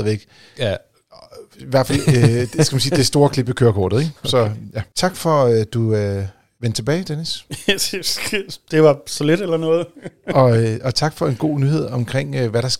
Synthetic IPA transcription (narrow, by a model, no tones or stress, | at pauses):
ðˠʋeɡ̥ | iʋæɐ̰̥fæl̰d̥skæmænsiːd̥e̝sd̥o̝ːɐkʰle̝b̥əkʰøːɐkʰɒ̰ːd̥ð̩ˠeɡ̥sɒ̽jæt͡sʰɑ̈ɡ̥fɒ̽ød̥uø | ʋen̰d̥t͡sʰe̝b̥ɛːɪd̥enis | d̥e̝ʋɑ̈sɒled̥elɐnɔːð̩ˠɒ̽øʔɒ̽t͡sʰɑ̈ɡ̥fɒ̽e̝nɡ̥o̝̰ːnyhe̝ð̞̰ˠɒ̽mkʰʁeŋ̰ʋæɾ̥ɑ̈s